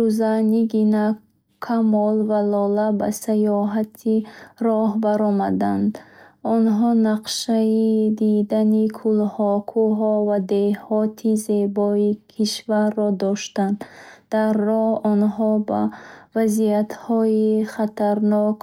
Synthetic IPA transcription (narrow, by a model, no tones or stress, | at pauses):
uzaniɡina | kʰamɔlvalɔlaba̰sajɔɦat̪ʰiɾɔhbaɾɔmad̪and̪ɔnɦɔnaqʃaid̪id̪anikʰulhɔkʰuɦɔvad̪ehɔt̪ʰize̞bɔikʰiʃvaɾːɔd̪ɔʃt̪and̪d̪̥arːɔhɔnɦɔba̰vaziat̪hɔiχat̪ʰaɾnɔk